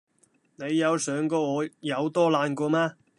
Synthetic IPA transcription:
ne˨˧jːɐ˨˧wsœː˨˧ŋkɔː˧ɔː˨˧jɐ˨˧wt̪ɔː˥laː˧nkɔː˧maː˥

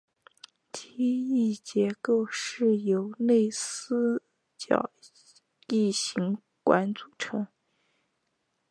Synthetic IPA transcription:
t̪ʰii˥i˥˩t͡ɕjɛ˧˥ko˥˧ʊʂɻ̩˥˩jo˧˥ʊne˥˩ɪsɹ̩˥ | t͡ɕjɑ̰˨˩ʊ | i˥˩ɕi˧˥ŋ | kwa̰˧˥nt͡su˨˩ʈ͡ʂʰɤ˧˥ŋ

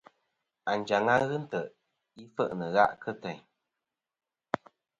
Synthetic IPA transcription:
a˨n̩˨d͡ʒa˨ŋa˦ɣɨ˦n̩˦tə˨ʔ | i˦fə˦˨ʔnə˨ɣa̰˦ʔkə˦tɛ˨ɲ

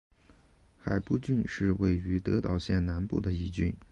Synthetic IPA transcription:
xa˨˩ɪpu˥˧t͡ɕy˥˧nʂɻ̩˥˧we˥˩ɪy˧˥t̪ɤ˧˥t̪ɑ˨˩ʊɕjɛ˥˩nna˧˥npṵ˥˩d̪ə˩i˥˩t͡ɕy̰˥˩n

